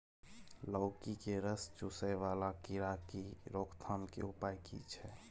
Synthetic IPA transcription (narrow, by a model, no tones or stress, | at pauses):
ləʊkikeɾəst͡ʃusəjʋalakiɾakiɾokʰt̪ʰamkḛupajkḭt͡ʃʰɛ